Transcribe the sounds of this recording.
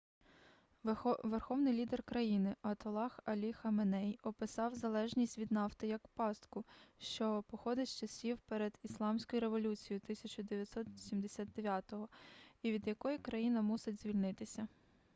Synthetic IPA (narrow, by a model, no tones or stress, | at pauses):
ʋerxɔwnɪjlʲid̪erkɾɐjinɪʔɐt̪ɔlˠɑxɐlʲixɐmenɛjɔpɪsɑwzɐlˠɛʒnʲisʲtʲʋʲid̪nɑft̪ɪjɐkpɑst̪kʊʃt͡ʃɔpɔxɔd̪ɪtʲt͡ʃɐsʲiwpɛɾed̪islˠɑmsʲkɔjʊɾeʋɔlʲut͡sʲijʊt̪ɪsʲɐt͡ʃʊd̪eʋʲjɐt̪ʲsɔt̪ʋsʲimd̪esʲad̪̚d̪eʋʲjat̪ɔɦɔiʋʲid̪jɐkɔjikɾɐjinɐmusɪdʲz̥ʲʋʲilʲnɪt̪ɪsʲɐ